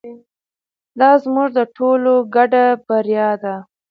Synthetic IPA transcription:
d̪ɑzmuʐd̪əʈʰoloɡaɖabaɾjɑd̪a

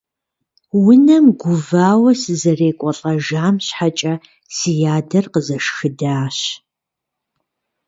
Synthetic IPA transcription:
wʊnɐmɡʷʊvaːwɐsɨzɐreːkʷʼɔɬʼɐʒaːmɕħat͡ʃʼɐ | sijaːdɐrqəzɐʂxɨdaːɕ

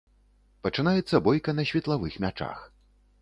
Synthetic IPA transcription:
pɐt͡ʂɨn̪ajɛt̪sːɐbɔjkɐnɐɕʲvʲɛt̪lˠavɨxmʲat͡ʂa̰x

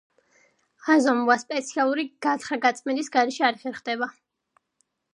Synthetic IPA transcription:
azɔmuaspʼɛt̪sʰialˠuɾiɡ̥at̪ʰχɾaɡat̪sʼmɛd̪isɡaɾɛʃiaɾɛχɛɾχd̪ɛba

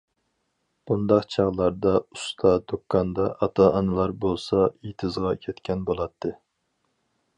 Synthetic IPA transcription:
b̥und̪ɑqt͡ʃʰɑʁlˠɑɾd̪ɑust̪ʰɑd̪okʰːɑnd̪ɑʔɑt̪ʰɑɑnɨlˠɑɾbolˠsɑit̪ʰɨzʁɑkʲʰɛt̪kʲʰɛnbolˠɑt̪ʰːɨ

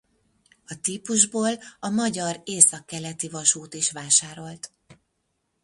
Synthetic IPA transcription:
ɒt̪iːpuʒboːlɒmɒɟɒɾeːsɒkːɛlɛt̪ivɒʃuːt̪iʃʋaːʃaːɾo̞lt̪

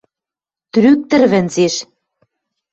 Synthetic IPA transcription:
t̪ɾyk̚t̪ɘ̆rβɘ̆nzeʃ

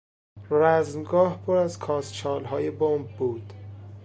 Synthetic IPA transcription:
ræzmɡɒːhpʰoɾæzkʰɒːst͡ʃʰɒːlɦɒːjebombːuːd̪̥

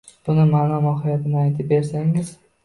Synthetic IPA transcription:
b̥ʊnɪmanɒmɒɦɪjat̪ʰɪnɪajt̪ʰɪp̚be̞ɾsaŋɪz

